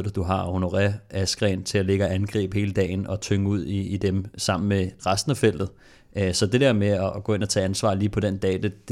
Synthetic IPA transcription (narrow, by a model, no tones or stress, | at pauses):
d̥d̥uɦɑ̈ho̝no̝ʁɛæsɡ̥ʁɛ̰ːnt͡sʰe̝læle̝ɡ̥æænɡ̥ʁɛ̰ːb̥he̝ːləd̥ɛ̰ːɪnɒ̽t͡sʰøŋəuð̞̰ˠiːd̥emsɑ̈m̰n̩meʁasd̥n̩æfel̰d̥ð̩ˠ | sɒ̽d̥e̝d̥eɐmeɒɡ̥ɔ̽ːe̝n̰ɒ̽t͡sʰɛ̰ːænsʋɑ̰̈ːliːpʰɒ̽d̥end̥ɛːd̥ed̥